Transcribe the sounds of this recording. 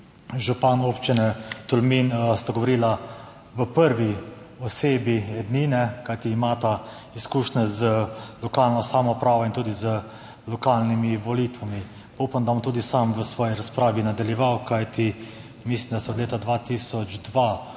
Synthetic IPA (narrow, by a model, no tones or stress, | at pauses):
ʒupanoːpt͡ʃinɛt̪ulminst̪aɡɔʋɔɾiːla | ʋəpəɾʋi | ɔseːbiɛd̪ninɛkajt̪iːmaːt̪a | iskuːʃnɛzəlɔkaːlnɔsamɔpɾaːʋɔint̪uːd̪izə | lɔkaːlnimiʋɔlit̪ʋami | pupamd̪abɔmt̪uːd̪isamʋəsʋɔːjiɾaspɾaːʋinad̪aljɛʋawkajt̪i | mislimd̪asɛɔd̪leːt̪ad̪ʋaːt̪iːsɔd͡ʒd̪ʋa